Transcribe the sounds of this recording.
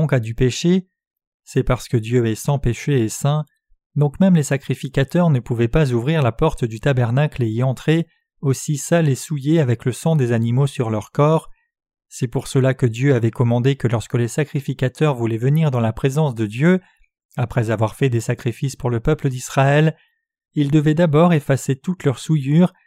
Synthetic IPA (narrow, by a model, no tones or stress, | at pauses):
ɔ̃kad̪ypeʃe | sɛpaʁsə̥kəd̪jøɛsɑ̃peʃeːsɛ̃ | d̪ɔ̃kmɛmlesakχifikʲat̪œʁnəpuvɛpazuvʁiʁlapɔʁt̪d̪yt̪abɛʁnakleiɑ̃t̪χe | osisalesujeavɛkləsɑ̃d̪ezanimosyʁlœʁkɔːʁ | sɛpuʁsəlakəd̪jøavɛkɔmɑ̃d̪ekəlɔʁskəlesakχifikat̪œʁvulɛvəniʁd̪ɑ̃lapχezɑ̃sd̪əd̪jø | apχɛzavwaʁfɛd̪esakχifispuʁləpœpləd̪isχaɛl | ild̪əvɛd̪abɔʁefaset̪ut̪lœʁsujyːʁ